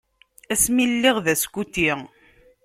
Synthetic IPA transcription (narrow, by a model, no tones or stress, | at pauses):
æsmilːiʁðæskut̪ːi